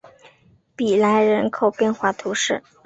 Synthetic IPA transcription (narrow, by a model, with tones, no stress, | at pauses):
pi˨˩la˧˥ɪɻə˧˥nkʰo˨˩ʊpjɛ˥˧nxwa˥˩t̪ʰu˧˥ʂɻ̩˥˩